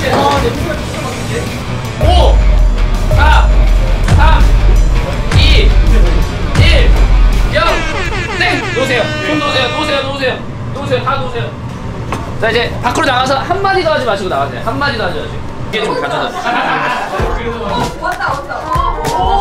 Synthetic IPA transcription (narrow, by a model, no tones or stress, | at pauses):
o | sʰa | sʰam | i | iɭjʌks͈eŋnosʰejosʰondosʰejotosʰejonosʰejo | tos̬ʰejotadosʰejo | t͡ɕaid͡ʑe̞pak͈ʰɯɾonaɣas̬ʰʌhanːad͡ʑidoɦad͡ʑimaɕʰiɡonaɡasʰejohanːad͡ʑidoad͡ʑimaɕʰiɡokiɡedokaʌd͡ʑas